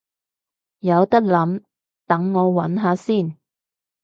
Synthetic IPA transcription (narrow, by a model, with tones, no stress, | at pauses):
jɐ˨˧wt̪ɐ˥k̚lɐ˨˥m | t̪ɐ˨˥ŋːɔː˨˧wɐ˨˥nɦaː˨˧siː˥˩n